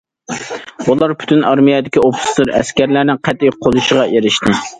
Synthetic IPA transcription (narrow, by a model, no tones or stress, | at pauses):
bulˠɑɾpʰy̥t̪ʰynɑɾmijɛd̪ɪkʲiopʰʊ̥slɨɾɛ̰skʲæɾlæɾnɪqʰæt̪ːijqʰolˠuʃəʁɑjeɾɪʃt̪ɪ